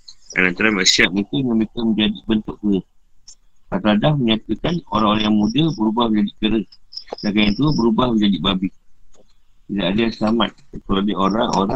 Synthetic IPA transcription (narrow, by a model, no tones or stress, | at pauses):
a̰nant̪aɾamaʔsiap̚uk̪uŋə̃mbekəməɲd͡ʒadibənt̪ʊʔ̚kə | at̪adahməɲãt̪əkanoɾaŋoɾaŋjaŋmũdəbəɾubahməɲd͡ʒadiʔkəɾədaɡajint̪ubəɾubahməɲd͡ʒadibabih | t̪idaʔadasamat̪̚əkəalioɾaŋo̰ɾa